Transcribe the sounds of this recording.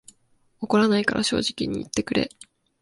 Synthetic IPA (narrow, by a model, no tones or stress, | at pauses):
oko̞ɾanaikaɾʔaɕo̞̰ːʑikʲiɲ̟iːt̪ːe̞kɯ̟ɾe̞̰